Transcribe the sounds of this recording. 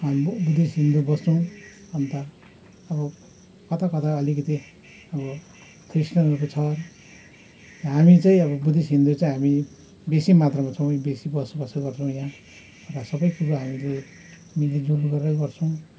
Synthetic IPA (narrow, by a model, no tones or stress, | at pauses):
ambud̪esɦind̪ubʌst͡sʰw̃ | ʌnt̪a | ʌbʌ | kʌt̪ʰakʌt̪ʰaʌlikʌt̪i | ʌbʌ | krisnʌukot͡sʰʌ | ɦamit͡saĩʌβʌbud̪esɦind̪ut͡saĩɦami | besimat̪rʌmat͡sʰʌw̃besibʌsbʌsʌɡʌrt͡sʰʌw̃jã | ʌɾasʌbʌjkuɾoɦamile | miled͡zoluɡʌɾɾʌkɡʌrt͡sʰʌ̃w̃